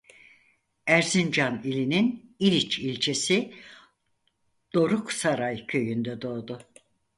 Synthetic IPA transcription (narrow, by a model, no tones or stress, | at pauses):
æɾzind͡ʒanilʲininiɾʲit͡ʃilʲt͡ʃʰesi | d̪̥o̞ɾuksaɾajcʰø̞jynd̪ɛd̪o̞ːd̪ʊ